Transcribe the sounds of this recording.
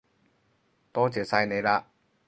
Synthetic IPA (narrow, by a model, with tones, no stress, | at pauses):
t̪ɔː˥t͡sɛː˨˥sa˧jne˨˧jlaː˧